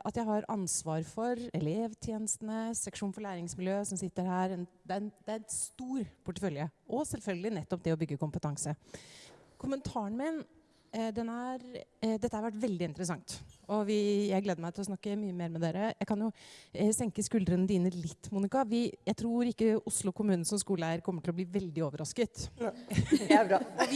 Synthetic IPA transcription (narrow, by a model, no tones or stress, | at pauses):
ʔɑt̪jæɪhɑɾɑnsʋɑːɾfɔɾɛleːʋt̪ʰjeːnəst̪ənəsɛkʂuːnfɔɭæːɾɪŋsmɪljøːsɔmsɪt̪ːəɾhæːɾɛnd̪ɛæɾɛnd̪̥ɛæɾɛst̪uːɾpʰʊʈːəfœljəʔɔsɛlfœlɡəlɪnɛt̪ːɔp̚d̪ɛɔbʏɡːəkʊmpət̪ʰɑŋsə | kʰʊmənt̪ʰɑːəɳmen | d̪ɛnæɾd̪ɛt̪ːəhɑɾʋæʈ̬ːʋɛld̪ɪɪnt̪əɾəsɑŋt̪ɔʋɪjæɪæɾɡleːd̪əmæɪt̪ɪlɔsnɑkːəmyːəmeːɾmɛd̪eːɾəjæɪkʰɑnjʊsɛŋkəskʉld̪əɾənəd̪iːnːəɭɪt̪ːmuːnɪkɑʋɪjæɪt̪ʰɾuːɾɪkːəʊslʊkʰʊmʉːn̩sɔmskuːləæɾkʰɔmːəʈʰɪlɔbliːʋɛld̪ɪoːʋəɾɑskət̪ | ɔʋɪ